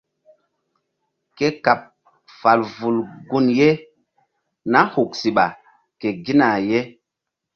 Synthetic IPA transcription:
ke˦ka˨p̚ | fa˨lvu˨lɡu˦nje˦ | na˦hu˨k̚si˨ɓa˨ | ke˨ɡi˦na˨je˦

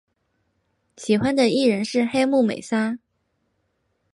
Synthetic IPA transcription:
ɕi˨˩xwa˥nd̪ə˨i˥˩ɻə˧˥nʂɻ̩˥˩˧xe˥ɪmu˥˩mḛ˨˩ɪsa˥

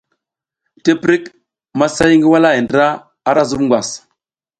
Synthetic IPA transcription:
te˦pɾi˦k | ma˦sa˦jŋɡi˦wa˦la˦i˨ndɾa˦ | a˦ɾa˦zu˦bŋɡʷa˨s

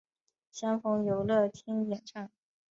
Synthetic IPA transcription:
ɕjɑ˥ŋfɤ˥ŋjo˧˥ʊlɤ˥˩t̪ʰi˥ŋjɛ˨˩nʈ͡ʂʰɑ˥˩ŋ

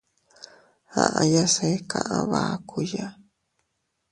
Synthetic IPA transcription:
ha̰˨ʔã˧ja˦se˧˦kʰã˧ʔã˧βa˨˦kʰu˧ja˦

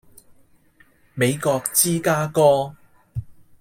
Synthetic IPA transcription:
me˨˧jkɔː˧k̚t͡siː˥kaː˥kɔː˥

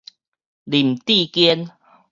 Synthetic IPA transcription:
li˨˩m̩˨t̪i˥˨kjɛ˦n

